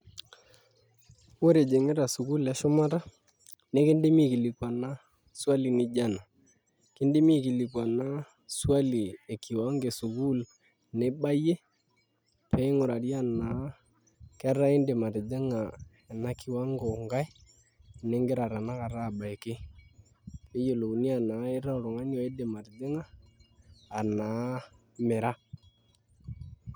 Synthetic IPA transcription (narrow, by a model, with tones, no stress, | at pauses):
wo˦ɾe˨d͡ʒe˨ŋɪ˦ɾa˨sʊ˨ku˦lɛ˦ʃʊ˦ma˦ta˦ | ne˦kɪ˦nde˦mi˦ki˨li˨kwa˨na˦ | swa˦li˨nɪ˦d͡ʒa˦na˨ | kɪ˦nde˦mi˦˨ki˨li˨kwa˨na˦ | swa˦li˨e˨kɪ˨wa˦ŋɡe˨sʊ˨ku˦l | nɛ˦ba˦je˦ | pɛ˦ɪ˦ŋʊ˨ɾa˨ɾja˦na˨˦ | kɛ˦ɾa˦ɪ˦ndɪ˨ma˨ɾɪ˨dɪ˦ŋa˨ | ɛ˨na˦kɪ˨wa˦ŋɡɔ˨ŋɡa˦j | ne˦ŋɡɪ˦ɾa˨ɾa˨na˦ka˨ɾaː˦˨ba˨e˨kɪ˦ | ke˦jo˨lo˨u˨ni˦a˨na˨˦ɪ˦ɾa˦˨ɾʊ˨ŋa˦njɔ˨e˦dɪ˨ma˨ɾɪ˨dɪ˦ŋaː˦˨ | na˨˦ | mɪ˨ɾa˦